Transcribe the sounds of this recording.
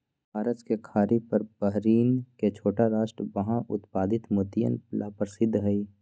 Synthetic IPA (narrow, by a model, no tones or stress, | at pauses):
bʱaːɾət̪kekʰaːɾipəɾbəɦɾiːnket͡ʃʰoːʈaɾaːʃʈɾbəɦãʔʊ̰t̪paːd̪ɪt̪mʊt̪ijə̰nlaːpɾsɪd̪ʱːɦɛi